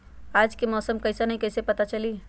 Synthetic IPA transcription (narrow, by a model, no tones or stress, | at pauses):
aːd͡ʒkemɔːsəmkɐɪsenɐɦĩkɐɪsepɐt̪at͡ʃɐli